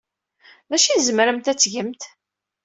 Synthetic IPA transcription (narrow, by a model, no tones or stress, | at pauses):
ðæʃizmɾəmt̪æt͡sːʝəmt̪